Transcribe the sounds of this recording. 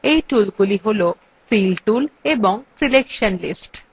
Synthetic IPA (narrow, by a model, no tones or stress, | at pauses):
ejʈulɡuliɦolo | filʈuleboŋsilekʃonlisʈ